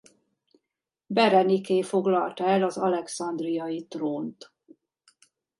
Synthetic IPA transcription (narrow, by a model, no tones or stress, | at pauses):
bɛɾɛnikeːfo̞ɡlɒlt̪ɒɛlɒzɒlɛksɒnd̪rijɒjit̪roːnt̪